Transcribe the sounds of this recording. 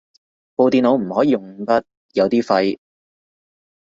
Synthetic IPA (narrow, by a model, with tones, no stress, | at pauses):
po˧wt̪iː˧nlo˨˧wm̩˨˩hɔː˨˥jiː˨˧jʊ˨˩ŋ˧p̪ɐ˥t̚ | jɐ˨˧wt̪iː˥fɐ˧j